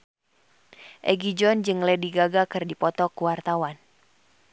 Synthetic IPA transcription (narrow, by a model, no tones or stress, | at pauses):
ʔɛɡid͡ʒɔnd͡ʒɨŋlɛdiɡaɡakɨrdipɔt̪ɔkuwart̪awan